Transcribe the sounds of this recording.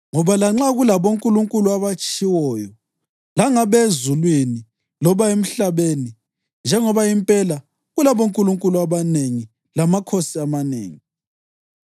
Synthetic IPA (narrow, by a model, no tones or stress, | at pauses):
ŋɔβalaŋ͡ǁaɣulaβoŋkʼuluŋkʼuluaβat͡ʃʼiwɔjɔ | laŋaβezulwini | lɔβaem̩ɬaβeni | nd͡ʒʱɛŋɔβaimpʼɛla | ɣulaβoŋkʼuluŋkʼuluaβaneŋi | lamakʰosiamanḛːŋi